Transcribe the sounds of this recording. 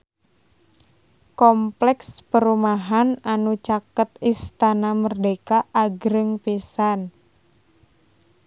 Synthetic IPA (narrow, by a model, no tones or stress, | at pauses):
kɔmplɛkspəɾumaɦananut͡ʃakət̪ist̪anamərdekaʔːɡɾəŋpisan